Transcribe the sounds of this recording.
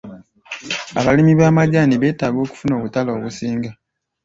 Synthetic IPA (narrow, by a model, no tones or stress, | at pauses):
a̰βalimiβaːmaɟaːniβe̞ːtaːɡo̞ːku̥funo̞ːβutaloːβusiːŋɡa